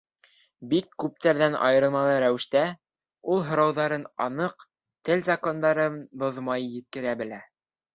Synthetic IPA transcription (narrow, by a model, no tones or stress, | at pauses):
bikːʉp̚t̪æɾðænɑ̰jɤ̆ɾɤ̆lˠmɑlˠɤɾæwɘ̆ʃt̪æ | ulˠɦŏɾɑwðɑɾɤnɑ̰nɤq | t̪ɘlʲzɐko̞nd̪ɑɾɤnboðmɑjːɘ̆t̪̚kɘ̆ɾæbɘ̆læ